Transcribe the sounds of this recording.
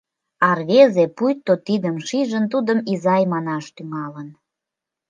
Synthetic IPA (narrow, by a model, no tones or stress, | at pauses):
ɑrβezepujt̪ːot̪id̪əmʃiʒənt̪ud̪əmizɑjmɑnɑʃt̪yŋɑlən